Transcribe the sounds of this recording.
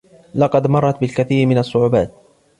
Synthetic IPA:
lɑqɑd̪mɑrˤːɑt̪bɪlkaθiːɾmɪnasˤːʊʕʊːbaːt̪̚

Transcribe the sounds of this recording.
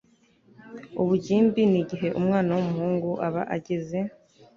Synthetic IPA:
uβuɟiːmbiniɟiɦe̞ʔumŋaːnawomuhuːŋɡuʔaβa̰ʔaɟe̞ze̞

